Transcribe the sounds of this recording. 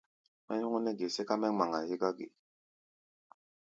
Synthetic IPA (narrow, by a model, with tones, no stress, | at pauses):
mɛ˦ɲu˦ŋɔ˦nɛ˦ɡe˨se˦ka˦mɛ˦ŋ͡ma˨ŋa˨ji˦ɡa˦ɡḛ˨